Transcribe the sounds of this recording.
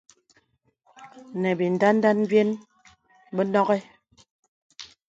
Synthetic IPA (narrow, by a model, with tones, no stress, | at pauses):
nɛ˨bi˨n˨da˦n˦da˦n˦bje˦n | bə˦nɔ˦ɣɛ˦